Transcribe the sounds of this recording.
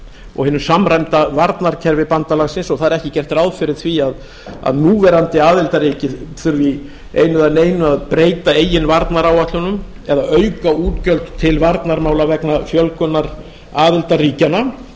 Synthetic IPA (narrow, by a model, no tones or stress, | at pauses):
ɔ̰ɣhɪnːʏsamrajmt̪avaɾt̪naɾ̥cʰɛɾvɪpant̪alaɣsɪnsɔɣθaðɾɛhcɪcɛr̥t̪rawðfɪɾɪɾ̥θviað | a̰ðnuːvɛɾant̪ɪaːðɪlt̪aɾiːcɪθʏɾvi | ḛːjnʏðaneːjnʏaðpɾeːjt̪aeːjɪnvaɾt̪naɾawaht̪lʏnʏm | ɛðaœɥkauːt̪cœlt̪t̪ʰɪlvaɾt̪naɾmaːwlavɛknafjœlkœnːaɾ | aːðɪlt̪ariːcana